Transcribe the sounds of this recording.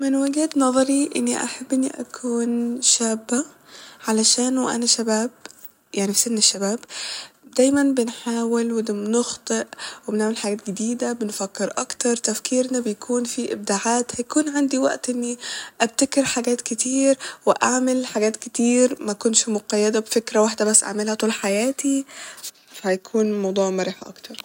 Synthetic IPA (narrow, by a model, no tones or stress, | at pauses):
mɪnwaɡɪhd̪nɑðˤɑɾiʔɪ̰nːḭʔa̰ħabːʔɪnːiʔa̰kʰuːnʃaːbːa | ʕalaʃaːnwʔa̰naʃabaːb | jaʕnifsɪnnɪʃːabaːbd̪æːjmanbɪnħaːwɪlwɪd̪amnʊxt̪ˤɨʔwebeneʕmelħaɡæːt̪̚ɡed̪iːd̪æbenfækːeɾʔɑkt̪ɑɾˤt̪æfkiːɾnabejkʰuːnfiʔɪb̚d̪aʕaːt̪hæjkuːnʕand̪iwæ̰ʔt̪ʔɪnːiʔæb̚t̪ækɪɾħaɡæːt̪kɪt̪iːɾweʔaʕmɪlħaɡæːt̪kɪt̪iːɾmækʊnʃmoqɑjːæd̪æbefekɾæwaħd̪æbæsːʔa̰ʕmelhæt̪ˤuːlħajæːt̪i | fæhæjkʰuːnmɑwd̪ˤuːʕmɑɾˤiːħaʔɑ̰kt̪ɑɾˤ